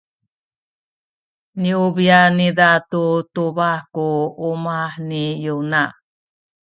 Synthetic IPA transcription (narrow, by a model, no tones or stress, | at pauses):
niubianidatutubakuumaħnijuna